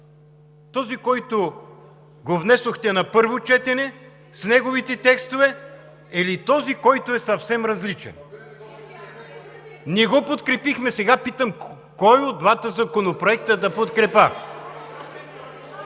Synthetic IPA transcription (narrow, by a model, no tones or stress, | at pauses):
t̪ɔzikɔjt̪o | ɡovnɛsoxt̪ɛnɐpɤɾvot͡ʃɛt̪ɛnɛ | snɛɡovit̪ɛt̪ɛkst̪ovɛ | ɛlit̪ɔzikɔjt̪oɛsɐfsɛmɾɐzlit͡ʃɛ̰n | niɛɡɔpot̪kɾɛpixmɛsɛɡapit̪əm | kɔjod̪d̪vat̪əzɐkonopɾoɛk̚t̪əd̪ɐpot̪kɾɛpə